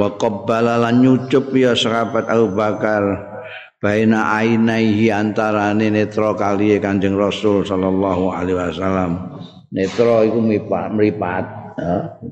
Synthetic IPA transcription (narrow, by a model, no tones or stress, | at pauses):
wakɔbalalanɲut͡ʃʊp̚ijɔsəkabat̪abubakar | b̥a̤enaʔainaiɦiant̪aɾanenet̪ɾɔkaliekaɲd͡ʒəŋrɔsʊlsɔlɔlːaɦua̰leɦasalːam | net̪ɾɔikumipaməɾipat̪̚ja